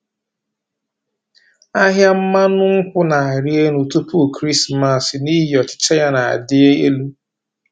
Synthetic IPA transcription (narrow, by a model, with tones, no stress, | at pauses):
a˦ɦja˦m̩˦ma˦nʊ˦ŋ̩˦kʷʊ˦na˨a˨ɾi˦e˦nu˨tu˦pu˦˨kɾi˦sma˨sɪ˨ni˦ɦɪ˨ɔ˨t͡ʃɪ̥˦t͡ʃe˦ja˦na˨a̰˨dɪ˦e˦e˦lu˦